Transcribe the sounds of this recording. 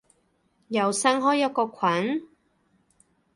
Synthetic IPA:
jɐ˨˩wsɐ˥ŋɦɔː˨˥jɐ˨˧˥kɔː˧kʷʰɐ˨˥n

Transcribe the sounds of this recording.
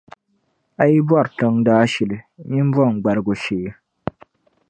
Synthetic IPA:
a˨ji˦bwa˦˨ɾtɨ˦ŋdaː˦ʃɛ˨lɨ˨ɲi˦m˦bɔ˦˨ŋ˨ɡ͡ba˨ɾɨ˦ɡo˨ʃeː˨˦

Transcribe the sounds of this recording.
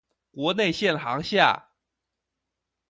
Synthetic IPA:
kwɔ˧˥ne˥˧ɪɕjɛ˥˩nxɑ˧˥ŋɕja̰˥˩

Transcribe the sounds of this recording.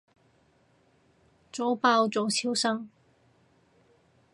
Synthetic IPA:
t͡so˨˥wpaː˧wt͡so˨˧wt͡sʰiː˨˥wsɐ˥ŋ

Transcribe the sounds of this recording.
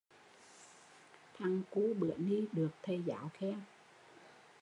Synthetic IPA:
t̪ʰa˨˩ŋku˧˦ɓɨ̰˧˨əni˧ɗɨ˨˩ək̚t̪ʰə˨˩jza̰ː˧˩˦wxɛ˧˥w

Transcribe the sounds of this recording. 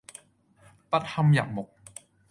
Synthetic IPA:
pa˨˧˩t̪ʰːa˧mja̰ː˨˩ŋmo˨˩k̚

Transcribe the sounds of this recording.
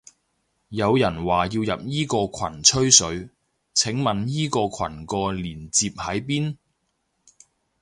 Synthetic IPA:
jɐ˨˧wjɐ˨˩nwaː˨jiː˧wjɐ˨p̚jiː˥kɔː˧kʷʰwɐ˨˩nt͡ʃʰɵ˥ɥsɵ˨˥ɥ | t͡sʰɪ˨˥ŋmɐ˨njiː˥kɔː˧kʷʰɐ˨˩nkɔː˧liː˨˩nt͡siː˧p̚hɐ˨˥jp̬iː˥n

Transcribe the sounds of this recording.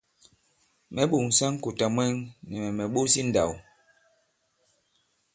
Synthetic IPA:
mɛ˨ɓu˨ŋ˨sa˦ŋ˦ku˨ta˨mwɛ˦ŋnɛ˨mɛ˨mɛ˨ɓu˦si˦n̩˨da̰˨w

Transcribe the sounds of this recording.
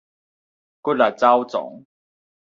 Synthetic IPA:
ku˦˥t̚la˨˩t͡sa˦wt͡sɔ̰˨˦ŋ

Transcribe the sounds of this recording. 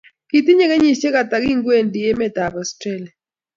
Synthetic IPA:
ki˨t̪i˦ɲe˦kɛ˦ɲi˦˨t͡ʃe˦ka˨t̪a˨ɡi˦ŋɡwe˦˨ndi˨e˦mɛ˦˨t̪a˨bɔ˨stɾɛ˦˨la˨

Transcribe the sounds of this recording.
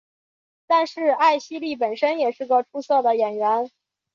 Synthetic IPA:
t̪a˥˧nʂɻ̩˥˧a˥˩ɪɕi˥li˥˩p̬ə˨˩nʂə˥njɛ˨˩ʂɻ̩˥˩ɡə˧˩ʈ͡ʂʰu˥swɤ˥˩d̪ə˩jɛ˨˩nɥɛ˧˥n

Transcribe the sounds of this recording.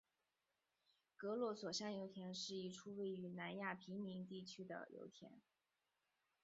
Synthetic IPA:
kɤ˧˥lwɔ˧˥swɔ˨˩ɕjɑ˥˩ŋjo˧˥ʊt̪ʰjɛ˧˥nʂɻ̩˥˧i˥˩ʈ͡ʂʰu˥we˥˩ɪy˧˥na˧˥nja˥˩pʰi˧˥ŋmi˧˥ŋt̪i˥˩t͡ɕʰy˥d̪ə̰˧jʔo̰˧˥ʊt̪ʰjɛ̰˧˥n

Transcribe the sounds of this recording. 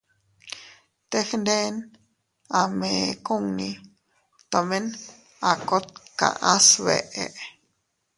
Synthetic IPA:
t̪e˦xnd̪e˦n | a˨me˨ku˦˨ŋnĩ˧ | t̪o˨me˦n | a˨ko˦t̪̚ka̰˨ʔa˦sβḛ˨ʔe˨ʔ

